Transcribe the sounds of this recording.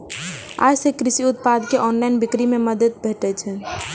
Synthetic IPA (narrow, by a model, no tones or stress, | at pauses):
a̰jsekɾisiut̪̚pad̪keʔɔnlainbikɾimeməd̪əd̪̚bʱeʈɛt͡ʃʰɛ